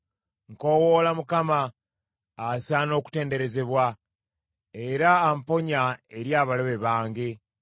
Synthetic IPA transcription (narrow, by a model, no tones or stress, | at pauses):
ŋko̞ːwo̞lamukamaː | saːno̞ːku̥te̞ːnde̞ɾe̞ze̞βwa | eɾaːmpo̞ɲae̞ɾjaːβaloβe̞βaːŋɡe